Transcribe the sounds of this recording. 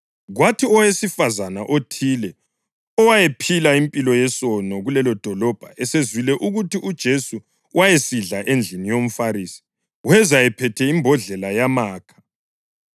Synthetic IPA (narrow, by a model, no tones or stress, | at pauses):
ɣwatʰiɔwesifazanaʔotʰiːlɛ | ɔwajepʰilaimpʼilɔjɛsɔnɔɣulɛlɔd̥ʱɔlɔb̥ʱaʔɛsezwilɛʔuɣutiʔud̥ʒ̥ʱesu | wʔajesiɮaʔend͡ɮʱinijom̩faɾiːsi̥ | wɛzajɛpʰɛtʰɛimbʱɔɮɛlajamaːkʰḁ